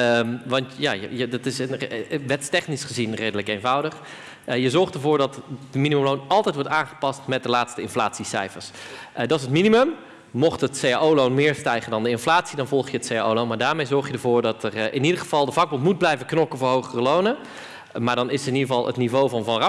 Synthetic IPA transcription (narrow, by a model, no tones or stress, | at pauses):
əmʋɑntja̰ːjjədɪtɪsənʋɛtstɛχnisχəzinrejdələkejnvʌwdəχ | jəzɔɹχtəɹvʊːɹdɑtdəminiməmlownʔɑlˠtɛjtʋɔɹtaːnχə̥pɑstmɛt̚dəlaːtstəɪnflaːtsisɛ̰jfəɹsdɑsətminimɵm | mɔχtɦətseja̰ʔowlownmɪːɹstɛjχəndɑndəɪnflaːtsidɑnvɔlˠχjəətseja̰ːo̰wlownmaːɹdaːɹmejzɔɹχjədəɹvʊːɹdɑtərɪnidəɹχəvɑlˠdəvɑɡ̚bɔntmud̚blɛjvəknɔkəvʊːɹɦowχərəlownə | maːɹdɑnɪsɪnidəvɑlˠə̰tnivowvɑnvɑnrɑ